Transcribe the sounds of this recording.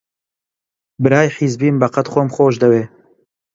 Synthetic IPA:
bɨɾaːjħiːzbiːmbɐqɐt̪χoːmxoːʒd̪ɐweː

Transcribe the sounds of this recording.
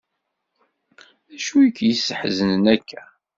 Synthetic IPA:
æʃuəkːjəsːəħzənənækʰːæ

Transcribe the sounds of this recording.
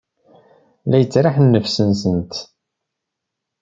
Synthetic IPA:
læjət͡sːɾaħnːəfsənsənt̪

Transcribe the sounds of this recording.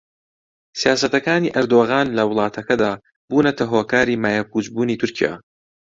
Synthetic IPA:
sijaːsɐt̪ɐkaːniːʔɐɾd̪oːɣaːnlɐwʊlˠɑːt̪ʰɐkɐd̪aː | buːnɐt̪ʰɐɦoːkaːɾiːmaːjak̚uːd͡ʒbuːniːt̪ʰʊɾcʰija̰ː

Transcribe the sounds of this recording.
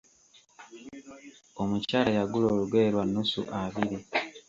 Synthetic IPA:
o̞mucaːlajaɡuloːluɡwe̞ɾwanːusṵʔaβiɾi

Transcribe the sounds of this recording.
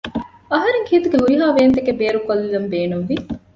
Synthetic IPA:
ɐɦɐɾeŋkʰiːt̪uɡeɦuɾiɦaːʋeːnt̪ekebeːɾukɐlːilɐmbeːnumʋi

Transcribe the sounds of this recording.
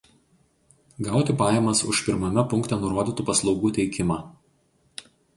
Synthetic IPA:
ɡɑˑʊt̪ʲɪpɑːjɛmɐsʊ̰ʃpʲɪɾmɐmʲɛpʊŋkt̪ʲɛnʊɾuɔd̪ʲit̪uːpɐslˠɒʊɡuːt̪ʲɛɪkʲɪmɑː

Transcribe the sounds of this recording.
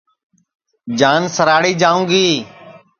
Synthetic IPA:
d͡ʒaːnsəɾaːɽiːd͡ʒaːũːɡiː

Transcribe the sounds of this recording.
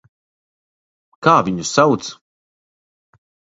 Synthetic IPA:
kaːviɲusawt̪s

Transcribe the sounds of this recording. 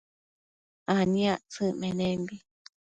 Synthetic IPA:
anĩaʔt͡sɨʔmẽnẽmbi

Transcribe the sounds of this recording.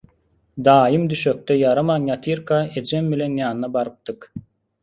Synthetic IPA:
d̪ɑːjɯmd̪yʃøk̚t̪ɛjɑɾɑmɑnjɑt̪ʰiɾkɑed͡ʒembilenjɑːnnɑbɑɾɯp̚t̪ɯk

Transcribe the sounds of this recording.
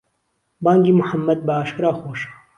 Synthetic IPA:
baːŋɡimʊħɐmːɐd̪̚bɐaːʃkɨɾaːxoːʃḁː

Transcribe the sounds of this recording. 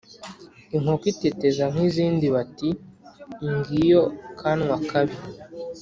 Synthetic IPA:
iŋ̥hokitetezam̥hiziːndiβati | ŋɡijokʰanŋwakaβi

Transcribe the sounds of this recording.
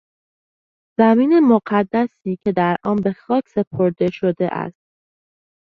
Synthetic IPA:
z̥æmiːnemoɢæd̪ːæsiːcʰe̞d̪æɾʔɒːnbe̞xɒːcʰse̞pʰoɾd̪e̞ʃod̪e̞̰ʔæ̰st̪̚

